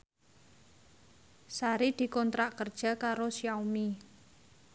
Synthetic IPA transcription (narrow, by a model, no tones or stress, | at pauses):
saɾid̪̥i̤kɔnt̪ɾaʔkərd̥ʒ̥a̤kaɾosjawmi